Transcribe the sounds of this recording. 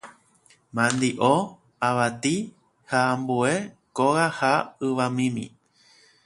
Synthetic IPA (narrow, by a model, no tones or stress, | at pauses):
mãnd̪iʔo | aʋat̪i | haːmbue | koʋahaɨʋamĩmḭ̃